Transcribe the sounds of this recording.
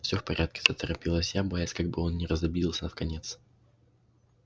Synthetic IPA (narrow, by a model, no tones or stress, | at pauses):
fsʲofpɐɾʲʔat̪̚kʲɪ̥t̪ət̪əɾɐpʲilˠəsʲjabɐjasʲkaɡ̚bɨo̞nnʲɪɾəzɐbʲiɪlˠsʲənəfkɐnʲe̞t̪s